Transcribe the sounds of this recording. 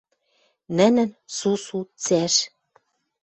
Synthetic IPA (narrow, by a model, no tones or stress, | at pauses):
nɘ̆nɘ̆nsusut͡sæʃ